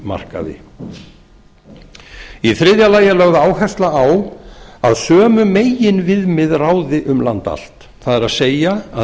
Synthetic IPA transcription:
ma̰r̥ka̰ðɪ̰ | iθɾɪðjalaːjalœɣðaːwɦɛst̪laawaðsœːmʏmeːjɪnvɪðmɪðraːwðɪʔʏmlant̪a̰l̥t̪ | θaðɛɾaðseːjaa

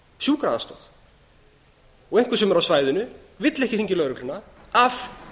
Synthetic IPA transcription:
sjuːkɾaast̪a̰θ | ɔɣejŋkvʏɾsɛmɛɾawsvaːjðʏnʏ | vɪt̪lɛhcɪ̥riɲcɪlœːɾʏkʰlʏnːa | av

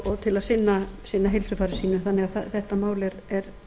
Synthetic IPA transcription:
ɔt̪ʰɪlaðsɪnːasɪnːaɦejlsʏfaːɾɪsiːnʏmθanːɛɣaθaθɛht̪amaːwlɛɾɛɾ

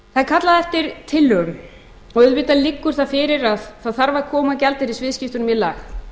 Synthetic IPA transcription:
θaðkʰat̪laðɛft̪ɪɾ̥t̪ʰɪlːʏm | ɔɣʏðpɪːt̪alɪkːʏɾ̥θaðfɪɾɪɾaðθaðθaɾvakʰɔːmaðcɛlt̪ɪɾisvɪːðscɪft̪ʏnmɪlːax

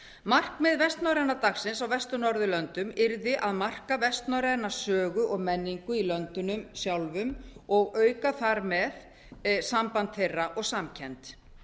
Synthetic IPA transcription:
mar̥kmɛðvɛst̪nawɾɛnat̪axsɪnsawvɛst̪ʏnɔɾðʏlœnt̪ʏmɪɾðɪʔaðmar̥kavɛst̪nawɾɛnasœːɣʏʔɔɣmɛnːiŋkʏilœnt̪ʏnʏmsjawlvʏmɔɣœːɥkaθaɾmɛð | sampant̪θejraʔɔɣsamcʰɛnt̪

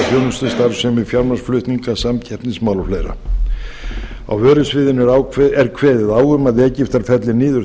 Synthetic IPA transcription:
fjownʏst̪ʏst̪aɾsɛmɪfjaɾmasflʏht̪niŋkasamcʰɛhrt̪nɪsmaːwlɔflejɾa̰ | a̰wvœːɾʏsvɪðɪnʏɾawkʰɛɾkʰvɛːðɪðaːwɣʏmaðɛːcɪft̪aɾ̥fɛt̪lɪniːðʏɾ

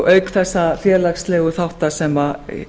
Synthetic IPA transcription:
ʔœːɥkθɛsːafjɛːlakslɛːɣʏθawht̪asɛma

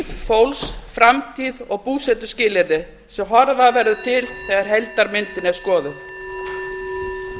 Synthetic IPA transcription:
ffowlsfɾamt̪ʰiːðɔɣpuːsɛt̪ʏ̥scɪːlɪɾnɪ | sɛmɦɔɾvavɛɾðʏt̪ʰɪlθɛːɣaɾ̥ɦɛlt̪aɾmɪnt̪ɪnɛɾ̥skɔːðʏθ

